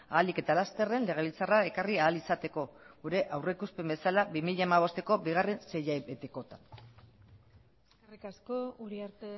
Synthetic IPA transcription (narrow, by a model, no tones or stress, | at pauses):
a̰ːlike̞t̪alast̪e̞re̞nle̞ɣ̞e̞β̞ilt͡sarae̞kariaːlisat̪e̞ko̞ɣuɾe̞ʔawre̞kuspe̞mbe̞salabimiʎaemaβ̞o̞st̪e̞ko̞biɣ̞are̞nse̞jaβet̪eko̞t̪an | skerikasko̞uɾiaɾt̪e